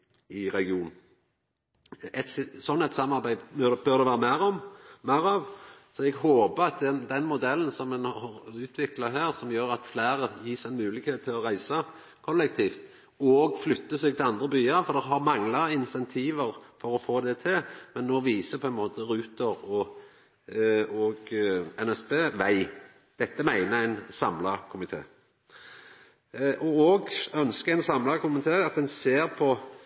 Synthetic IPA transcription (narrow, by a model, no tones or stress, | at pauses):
ɪʁɛɡɪuːn | ɛt̪ssɔnːɛt̪sɑmːɑɾbæɪd̪bœɾd̪ɛʋæːʁəmæɾɔmmæɾɑʋsɔɛɡɦoːbəɑt̪̚d̪ɛd̪ɛnmʊd̪ɛln̩sɔmːɛnhɑʉːt̪ʰʋɪklɑɦæːɾsɔmjøːɾɑt̪flæːɾəjiːsɛɪnmʉːlɪɡheːt̪t̪ʰːɪlɔɾæɪsə | kʰɔlːɛk̚t̪ʰiːft̪ | ɔɔɡflʏt̪ːəseːɡ̪̚ɪlɑnd̪ɾəbyːəɾfɔɾd̪ɛɦɑɾmɑŋləɾɪnsɛnt̪ʰiːʋəɾfɔɾɔfoːd̪ɛt̪ʰɪlmɛnːɔʋiːsəpʰɔɛnmoːt̪əɾʉːt̪əɾɔ | ɔɡɛnɛspeːʋæɪ | d̪̥ɛt̪ːəmæɪnəɾæɪnsɑmlɑkʰʊmɪt̪ʰḛː | ʔɔɔɡœnskəæɪnsɑmlɑkʰʊmɪt̪ʰeːɑt̪̚d̪ɛnseːɾpʰɔ